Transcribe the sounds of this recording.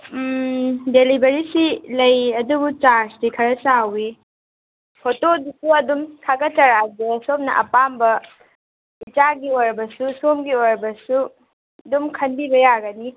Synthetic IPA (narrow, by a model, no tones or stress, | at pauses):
delibeɾisilɐjɐdubut͡ʃaɾsdikʰɐɾɐsawi | pʰotodisuɐdumtʰaɡɐt͡ʃɐɾadesop̚nɐ̰ʔɐ̰pambɐ | it͡ʃaɡioɾbɐsusomɡioɾbɐsu | dumkʰɐnbibɐjaɡɐni